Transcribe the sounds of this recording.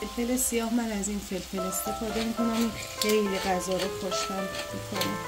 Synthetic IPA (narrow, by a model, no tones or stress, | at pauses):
elfelesijɒːhmænæzinfelfele̞st̪ʰe̞fɒːd̪emikʰo̞næmin | hejleɣæzɒːɾepʰɒʃt̪ʰænt̪ekʰonḭm